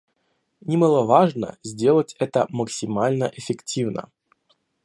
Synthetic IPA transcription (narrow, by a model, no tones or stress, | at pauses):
nʲɪməlˠəvaʐnə̰zʲdʲelˠətʲɛt̪əməksʲɪmalʲnəʔɪfʲɪktʲivnə̰